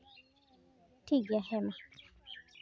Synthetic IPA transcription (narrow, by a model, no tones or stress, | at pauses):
tiɡahɛma